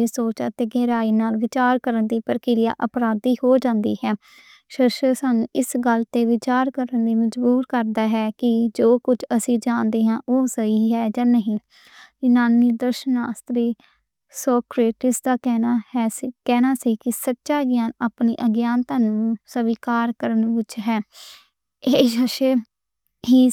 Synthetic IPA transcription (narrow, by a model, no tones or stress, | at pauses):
eːsoːt͡ʃat̪eːɡɛːɾaːiːnaːlʋɪt͡ʃaːɾkəɾənd̪iːpəɾəkɪɾɪja̰ːʔəpɾaːd̪iːhoːd͡ʒãːnd̪iːhɛː | ʃɪɾʃəsaːnṵ̃ːʔɪsɡəlt̪eːʋɪt͡ʃaːɾkəɾənd̪iːməd͡ʒbuːɾkəɾd̪aːɦɛːkɪd͡ʒoːkʊd͡ʒʰəsĩːd͡ʒãːnd̪eːɦãːʔoːsəiːɦɛːd͡ʒaːnəɦĩː | ɪnaːniːd̪əɾʃəna̰ːst̪ɾiː | soːkɾeːʈɪsd̪aːkɛːnaːhɛːskɛːnaːsiːkɪsətːʃaːɡjaːnaːpnḭːʔəɡjaːnt̪aːnũːsəʋiːkaːɾkəɾənʋɪt͡ʃɦɛː | eːʃəʃə | ɦiː